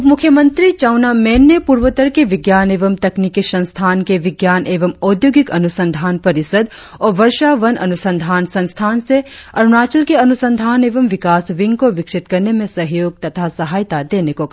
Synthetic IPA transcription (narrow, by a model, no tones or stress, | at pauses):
mʊkʰːjəmɐ̃nt̪ɾit͡ʃaːnamɛːnːepuːɾʋət̪əɾkeʋɪɡjaːneːʋɐmt̪ɐknikisɐ̃nst̪ʰaːnkeʋɪɡjaːnʔeːʋɐmɔːd̪joːɡɪkɐnʊsə̃nd̪ʱaːnpɐɾɪsəd̪ | ɔːɾʋɐɾʃaʋɐnɐ̰nusə̃nd̪ʱaːnsɐ̃nst̪ʰaːnseɐɾʊnaːt͡ʃəlkeɐnusə̃nd̪ʱaːneːʋɐmʋɪkaːsʋɪ̃ŋɡkoʋɪkʂɪt̪kɐɾnemẽsɐɦjoːɡ̚t̪ɐt̪ʰasɐɦaːjt̪ad̪eːnekok